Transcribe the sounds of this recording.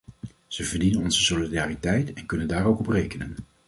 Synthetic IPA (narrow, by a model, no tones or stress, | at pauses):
z̥əvəɹdinənɔnzəsolidaːritɛjtɛnkɵnəndaːɹowkɔprejkənən